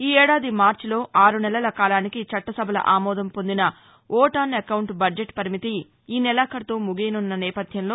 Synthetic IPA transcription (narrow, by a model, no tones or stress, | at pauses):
iːɛːɽaːd̪imaːɾt͡ʃlo̞ːʔaːɾunɛlɐlɐkaːlaːnikit͡ʃɐʈːɐsɐbʱɐlɐ̰ʔaːmɔːd̪ɐmpo̞nd̪inɐ | ɔːʈaːnɐkɐwɳʈbɐɖd͡ʒeʈpɐɾimit̪i | iːnɛlaːkɐɾɐt̪oːmuɡejnunːɐnɛːpɐd̪ʱjɐmlo̞ː